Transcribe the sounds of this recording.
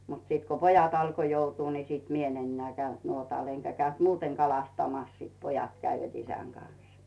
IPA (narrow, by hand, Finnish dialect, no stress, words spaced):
mut siˑt ko pojɑt ɑlko joutuː ni siˑt mi en enːeæˑ kæynt nuotɑˑl eŋkæ kæynt muːteŋ kɑlɑstɑmɑs siːt pojɑt kæiʋæt isæŋ ɡ̊ɑns